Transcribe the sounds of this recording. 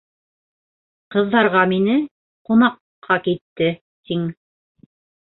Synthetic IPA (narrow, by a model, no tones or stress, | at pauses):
qɤ̆ðːɑɾʁɑminɘ | qunɑqʰːɑkit̪ːɘ | t̪iŋ